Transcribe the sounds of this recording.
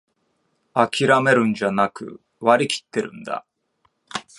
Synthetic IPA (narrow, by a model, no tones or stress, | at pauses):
akʲiɾame̞ɾɯ̟̃ɲd͡ʑanakɯ̟̰ | βaɾʲikʲi̥t̪ːe̞ɾɯ̰̃nd̪a̰